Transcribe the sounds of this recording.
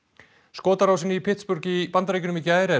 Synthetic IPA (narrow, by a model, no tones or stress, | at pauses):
skɔːt̪aɾaws̬ɪnːɪipʰɪht̪spʏɾcipant̪aɾejcʏnʏmɪcɪaːjɾɛ